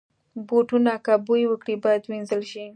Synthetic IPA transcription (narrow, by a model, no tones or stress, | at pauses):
boʈunakabujwəkɽibɑjad̪winzəlʃi